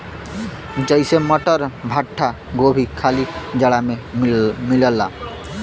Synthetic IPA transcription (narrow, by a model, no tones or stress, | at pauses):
d͡ʒəjseməʈəɾbʱaʈʰːa | ɡobʱikʰalid͡ʒəɽamemiləlːa̰